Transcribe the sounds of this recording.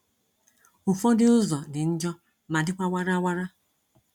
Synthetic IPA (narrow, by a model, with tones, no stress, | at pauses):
ʊ˨fɔ˦dɪ˦ʊ˦zɔ˨dɪ˨n̩˦d͡ʒɔ˦ | ma˨dɪ˦kʷa˦wa˦ɾa˦wa˦ɾa˦